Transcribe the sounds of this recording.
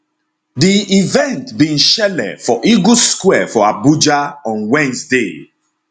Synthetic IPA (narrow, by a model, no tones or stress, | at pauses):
diivɛ̃ntbĩnʃɛlɛ̰dfɔʔiɡuskwɛfɔabud͡ʒaɔ̃nwɛ̃nsde